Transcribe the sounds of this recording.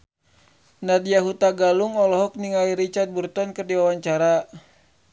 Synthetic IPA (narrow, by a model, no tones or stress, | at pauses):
nadiaɦut̪aɡaluŋɔlɔɦɔk̚niŋaliɾit͡ʃart̪̚burt̪ɔnkɨrdiwawaɲt͡ʃaɾa